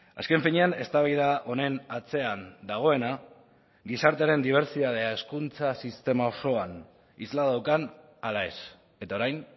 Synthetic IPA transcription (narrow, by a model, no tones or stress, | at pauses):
a̰ske̞ɱfiɲe̞ane̞st̪aβajðaʔo̞ne̞nat͡se̞and̪aɣ̞o̞e̞na | ɡisaɾt̪e̞aɾe̞nd̪iβ̞e̞ɾsit̪að̞e̞ae̞skunt͡sasist̪e̞mao̞so̞an | izlaðawkan | alae̞s | e̞t̪ao̞ɾajn